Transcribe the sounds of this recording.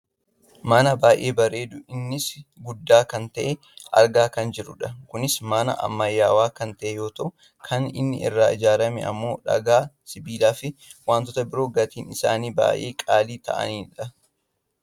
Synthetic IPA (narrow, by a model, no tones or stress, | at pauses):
mɐnɐbaːjʔe̞ːbɐɾe̞ːd̪ʊʔɪnːɪsɡʊd̪ːaːkɐnt̪ɐʔɛ | ʔɐ̰ɾɡaːkɐnd͡ʒɪɾʊᶑɐkʊnɪsmɐnɐ̰ʔɐ̰mːɐjːaːwaːkɐnt̪ɐʔejo̞ːt̪ɐʔʊ | kʰɐnɪ̰nːɪ̰ʔɪ̰rːaːɪd͡ʒaːɾɐmɛ̰ɐ̰mːo̞ːᶑɐ̰ɡaːsɪbiːlaːfɪwaːnt̪ɔt̪ɐbɪɾo̞ːɡɐt̪iːnɪsa̰ːniːba̰ːjʔeːkʼaːliːt̪ɐ̰ʔɐ̰niːᶑɐ